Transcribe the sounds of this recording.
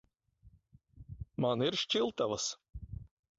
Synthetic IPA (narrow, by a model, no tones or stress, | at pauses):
maniɾʃt͡ʃilˠt̪avas